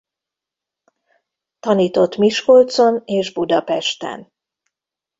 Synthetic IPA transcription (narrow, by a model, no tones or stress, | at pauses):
t̪ɒniːt̪o̞t̪miʃkolt̪so̞neːʒbud̪ɒpɛʃt̪ɛ̰n